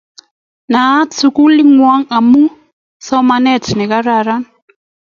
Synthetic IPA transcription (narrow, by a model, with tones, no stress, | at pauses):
na˨˦tsu˦ku˦li˦ŋwa˦ŋa˨mu˦ | sɔ˦ma˦nɛ˦˨tnɛ˨ka˦ɾa˨ɾa˦n